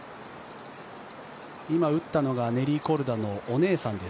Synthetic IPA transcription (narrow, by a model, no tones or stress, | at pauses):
imaɯ̟t̪ːano̞ɡane̞ɾʲiko̞ɾɯ̟d̪ano̞ʔːne̞ːsãnd̪e̞s